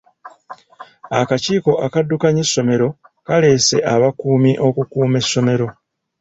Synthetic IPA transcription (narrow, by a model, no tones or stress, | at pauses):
akaciːko̞ʔakadːukaɲesːo̞me̞ɾo̞ | kale̞se̞ʔaβakuːmiʔo̞kukuːme̞sːo̞me̞ɾo̞